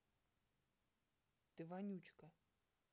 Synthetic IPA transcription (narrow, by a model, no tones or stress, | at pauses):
t̪ɨvanʲut͡ʃkɐ